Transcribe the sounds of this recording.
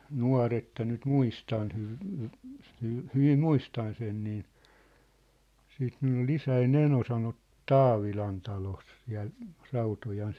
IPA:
nuɑ̝r etːæ nyt muistɑn hyʋ hy hyʋ hyʋim muistɑn sen niː siːt minulː ol isæin eno sɑnot tɑːʋilɑn tɑlos siæ̝l rɑutojɑn

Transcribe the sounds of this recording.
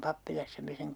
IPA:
pɑpːilɑsːɑ me seŋ

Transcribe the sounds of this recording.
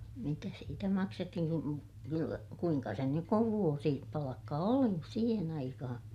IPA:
mitæ siːtæ mɑksetːihin ku kylːæ kuiŋkɑ sen nyk kuʋ ʋuosi pɑlɑkːɑ oli siːhen ɑikɑhɑ̃ː

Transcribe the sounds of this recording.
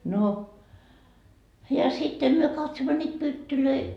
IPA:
no jɑ sitːe myø kɑtsomːo nʲiːt pytːyløi

